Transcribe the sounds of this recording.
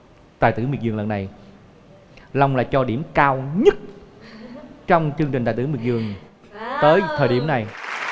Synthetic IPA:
t̪aː˧˨t̪ɨ˧˦mḭ˧˩nzɨ˨˩ələ˨˩nːa˨˩j | la˧wŋ͡mlaː˨˩t͡ɕɔ˧ɗi˧˩əmkaː˧wɲə˦˥t̚ | t͡ɕɔ˧wŋ͡mt͡ɕɨ˧ŋt͡ɕï˨˩ŋ̟aː˨˩t̪ɨ˧˥˦mi˧˩ŋzɨ˨˩əŋ | t̪əː˨˦jt̪ʰəː˨˩jɗi˧˩əmna˨˩j

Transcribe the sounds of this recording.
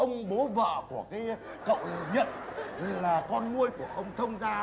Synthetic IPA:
ʔə˧wŋ͡mɓo˨˦və̰ː˧˨ku˧˩əkaː˨˦j | kə̰˧˨wɲə̰˧˨nllaː˨˩kɔ˧nŋu˧əjku˧˩əʔə˧wŋ͡mt̪ʰə˧wŋ͡mzaː˧

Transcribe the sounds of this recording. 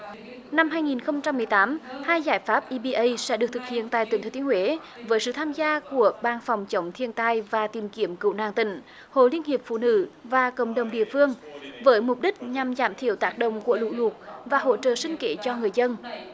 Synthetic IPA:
na˧mɦaː˧jŋi˨˩nxə˧wŋ͡mt͡ɕa˧mːɨ˨˩əjt̪aː˨˦mhaː˧jzaː˧˩jfaː˦˥p̚ʔi˧ɓi˧ʔə˧jsɛ̰˧˥ɗɨ˨˩k̚t̪ʰɨ˨˩k̚hḭ˧˨ənt̪a̰ː˧˨jt̪wt̪ʰə˨˦˩t̪i˧˦əŋhwe˨˦ | vəː˨˦jsɨ̰˧˨t̪ʰaː˧mzaː˧ku˧˩əɓaː˨˩nfa˨˩wŋ͡mt͡ɕə˨˦wŋ͡mt̪ʰi˧ənt̪aː˧jvaː˨˩t̪i˨˩mki˨˦əmkɨ̰˧˨wna̰ː˧˨ŋt̪ï˧˩ŋ̟ | ho̰˧˨li˧ənhi˨˩əp̚fṵ˧˨nɨ̰˧˥vaː˨˩kə̰˧˨wŋ͡mɗə˨˩wŋ͡mɗḭ˧˨əfɨ˧əŋvəː˨˦jmʊ˨˩p̚ɗï˦˥k̟̚ɲa˨˩mzaː˧˩mt̪ʰi˧˩əwt̪aː˦˥k̚ɗə̰˧˨wŋ͡mku˧˩əlṵ˧˨lu˨˩t̚vaː˨˩ɦo̰˧˨t͡ɕə̰ː˧˨sï˧ŋ̟ke˧˨˦t͡ɕɔ˧ŋɨ˨˩əjzə˧n

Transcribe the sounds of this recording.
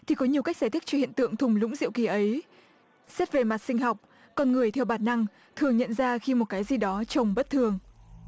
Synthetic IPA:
t̪ʰi˨˩kɔ˨˦ɲi˨˩əwka˦˥k̚za˧˩t̪ʰï˦˥t͡ɕɔ˧hḭ˧˨ənt̪ɨ̰˧˨əŋt̪ʰʊ˨˩ŋ͡mlʊ̰˧˥ŋ͡mzḭ˧˨əwki˨˩ʔə˨˦j | sɛ˦˥p̚ve˨˩ma˨˩t̚sï˧ŋ̟ɦa˨˩wk͡p̚ | kɔ˧nŋɨ˨˩əjt̪ʰɛ˧˩wɓaː˨˩t̚na˧ŋ | t̪ʰɨ˨˩əŋɲə̰˧˨nzaː˧xi˧mo˨˩t̚kaː˨˦jzi˨˩ɗɔ˨˦t͡ɕə˨˩wŋ͡mɓə˦˥t̚t̪ʰɨ˨˩əŋ

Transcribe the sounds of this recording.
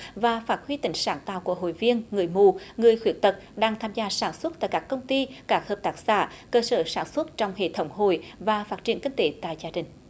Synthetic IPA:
vaː˨˩faː˦˥t̚hwi˧t̪ï˧˩ŋ̟saː˧˩ŋt̪a̰ː˧˨wku˧˩əɦo̰˧˨jvi˧ənŋɨ˨˩əjmu˧˨˩ŋɨ˨˩əjxwi˧˦ən̚t̪ə˨˩t̚ɗaː˧ŋt̪ʰaː˧mzaː˧saː˧˩nswə˦˥t̚t̪a̰ː˧˨jkaː˦˥kːə˧wŋ͡mt̪i˧kaː˧˥k̚həː˨˩p̚t̪aː˦˥k̚sa̰ː˧˩kəː˧səː˧˩saː˧˩nswə˦˥t̚t͡ɕɔ˧wŋ͡mhḛ˧˨t̪ʰə˨˧˦wŋ͡mɦo̰˧˨jvaː˨˩faː˦˥t̚t͡ɕḭ˧˩ənŋkï˧ŋ̟t̪e˨˦t̪a̰ː˧˨jzaː˧ɗï˨˩ŋ̟

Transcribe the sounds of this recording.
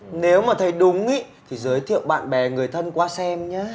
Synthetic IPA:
ne˨˦wmaː˨˩t̪ʰə˨˦jɗʊ˨˦ŋ͡mi˧˦ | t̪ʰi˨˩zəː˨˦jt̪ʰḭ˧˨əwɓa̰ː˧˨nɓɛ˨˩ŋɨ˨˩əjt̪ʰə˧nkwaː˧sɛ˧mɲaː˨˦

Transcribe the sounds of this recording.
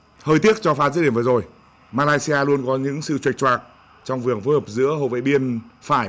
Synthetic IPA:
həː˧jt̪i˦˥ək̚t͡ɕɔ˧faː˨˦zɨ˧˥ɗi˧˩mvːzo˨˩j | maː˧laː˧jsi˧aː˧lu˧ənkɔ˨˦ɲɨ̰˧˥ŋsɨ̰˧˨t͡ɕwi˨˩k̚t͡ɕwaː˨˩k̚ | t͡ɕɔ˧wŋ͡mvɨ˨˩əŋfo˨˦jhəː˨˩p̚zɨ̰˧˥əho̰˧˨vḛ˧˨ɓi˧ənfaː˧˩j

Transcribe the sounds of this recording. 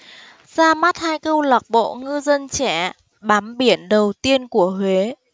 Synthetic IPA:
z̥aː˧ma˦˥t̚haː˧jkə˧wla˨˩k͡p̚ɓo̰˧˨ŋɨ˧zə˧nt͡ɕɛ˧˩˨ | ɓaː˨˦mɓi˧˩ənɗə˨˩wt̪i˧ənku˧˩əhwe˨˦

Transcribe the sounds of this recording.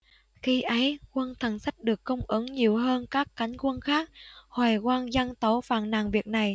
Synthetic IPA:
xi˧ʔə˨˦jkwə˧nt̪ʰə˨˩ŋsa˦˥k̟̚ɗɨ˨˩əkːə˧wŋ͡mʔɨ˨˦ŋɲi˨˩əwɦəː˧nkaː˦˥kːa˨˦jŋ̟kwə˧nxaː˦˥k̚hwaː˨˩jkwaː˧nza˧ŋt̪o˨˦fa̰ː˧˩nna̰ː˧˩ŋvi˨˩ək̚na˨˩j

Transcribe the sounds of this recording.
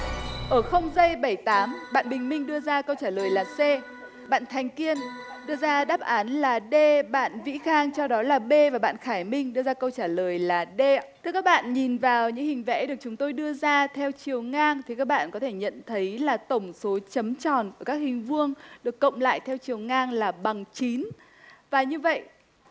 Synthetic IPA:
ʔəː˧˩xə˧wŋ͡mzə˧jɓə˧˩jt̪aː˨˦mɓa̰ː˧˨nɓï˨˩ŋ̟mï˧ŋ̟ɗɨ˧əzaː˧kə˧wt͡ɕaː˧˩ləː˨˩jlaː˨˩se˧ | ɓa̰ː˧˨nt̪ʰa˨˩jŋ̟ki˧ən | ɗɨ˧əzaː˧ɗaː˦˥p̚ʔaː˨˦nlaː˨˩ɗe˧ɓa̰ː˧˨nvḭ˧˥xaː˧ŋt͡ɕɔ˧wɗɔ˨˦laː˨˩ɓe˧vaː˨˩ɓa̰ː˧˨nxaː˧˩jmï˧ŋ̟ɗɨ˧əzaː˧kə˧wt͡ɕaː˧˩ləː˨˩jlaː˨˩ɗe˧t̪ʰɨ˧ka˦˥k̚ɓa̰ː˧˨nɲi˨˩nvaː˨˩wɲɨ̰˧˥ŋhï˨˩ŋ̟vɛ̰˧˥ɗɨ˨˩ək̚t͡ɕʊ˨˦ŋ͡mt̪o˧jɗɨ˧əzaː˧t̪ʰɛ˧wt͡ɕi˨˩əwŋaː˧ŋt̪ʰi˨˩kaː˦˥k̚ɓa̰ː˧˨nkɔ˨˦t̪ʰe˧˩ɲə̰˧˨nt̪ʰə˨˦jlaː˨˩t̪ə˧˩wŋ͡mso˨˦t͡ɕə˨˦mt͡ɕɔ̰˧˨˩nku˧˩kaː˦˥k̚hï˨˩ŋ̟vɨ˧əŋɗɨ˨˩əkːə̰˧˨wŋ͡mla̰ː˧˨jt̪ʰɛ˧wt͡ɕi˨˩əwŋaː˧ŋlaː˨˩ɓa˨˩ŋt͡ɕi˨˦n | vaː˨˩ɲɨ˧və̰˧˨j

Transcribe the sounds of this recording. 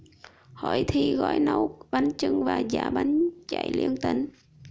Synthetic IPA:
ho˧˩jt̪ʰi˧ɣɔ̰˧˥jnə˧wɓa˨˦ŋt͡ɕɨ˧ŋvaː˨˩zaː˧˩ɓa˨˦ŋt͡ɕa˧˩˨jli˧ənt̪i˧˩ŋ

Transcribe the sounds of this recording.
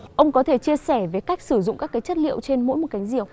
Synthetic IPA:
ʔə˧wŋ͡mkɔ˨˦t̪ʰe˧˩t͡ɕi˧əsɛ˧˩ve˨˦ka˦˥jk̟̚sɨ˧˩zʊ̰˧˨ŋ͡mkaː˦˥kːaː˨˦jt͡ɕə˦˥t̚lḭ˧˨əwt͡ɕe˧nmo̰˧˥jmo˨˩t̚ka˨˦jŋ̟zi˧˩əw̚

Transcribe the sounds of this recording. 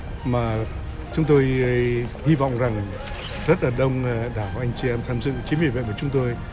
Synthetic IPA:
maː˨˩ | t͡ɕʊ˨˦ŋ͡mt̪o˧jhi˧vɔ̰˧˨wŋ͡mza˨˩ŋ | zə˦˥t̚laː˨˩ɗə˧wŋ͡mɗaː˧˩wʔa˧jŋ̟t͡ɕi˧ʔɛ˧mt̪ʰaː˧mzɨ̰˧˨t͡ɕi˨˦mwḭ˨˩vḛ˧˨vəː˧˩t͡ɕʊ˨˦ŋ͡mt̪o˧j

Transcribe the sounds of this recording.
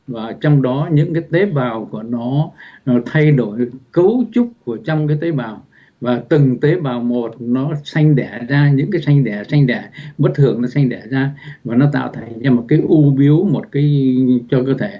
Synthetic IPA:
vaː˨˩t͡ɕɔ˧wŋ͡mɗɔ˨˦ɲɨ̰˧˥ŋkaː˨˦jt̪e˨˦ɓaː˨˩wku˧˩ənɔ˨˦t̪ʰa˧jɗo˧˩jkə˨˦wt͡ɕu˦˥k͡p̚ku˧˩ət͡ɕɔ˧wŋ͡mkaː˨˦jt̪e˨˦ɓaː˨˩w | vaː˨˩t̪ɨ˨˩ŋt̪e˨˦ɓaː˨˩wmo˨˩t̚nɔ˨˦sa˧jŋ̟ɗɛ˧˩zaː˧ɲɨ̰˧˥ŋkaː˨˦jsa˧jŋ̟ɗɛ˧˩sa˧jŋ̟ɗɛ˧˩ɓə˦˥t̚t̪ʰɨ˨˩əŋnɔ˨˦sa˧jŋ̟ɗɛ˧˩zaː˧vaː˨˩nɔ˨˦t̪a̰ː˧˨wt̪ʰaː˨˩jzaː˧mo˨˩t̚kaː˨˦jʔu˧ɓi˨˦əwmo˨˩t̚kaː˨˦jt͡ɕɔ˧kəː˧t̪ʰe˧˩

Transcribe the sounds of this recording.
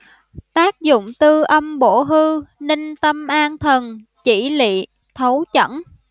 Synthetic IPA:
t̪aː˦˥k̚zʊ̰˧˨ŋ͡mt̪ɨ˧ʔə˧mɓo˧˩ɦɨ˧nï˧ŋ̟t̪ə˧mʔaː˧nt̪ʰə˨˩n | t͡ɕi˧˩lḭ˧˨ | t̪ʰə˨˦wt͡ɕə̰˧˥n

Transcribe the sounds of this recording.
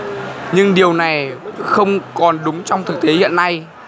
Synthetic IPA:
ɲɨ˧ŋɗi˨˩əwna˨˩jxə˧wŋ͡mkɔ˨˩nɗʊ˨˦ŋ͡mt͡ɕɔ˧wŋ͡mt̪ʰɨ˨˩k̚t̪e˨˦hḭ˧˨ənːa˧j

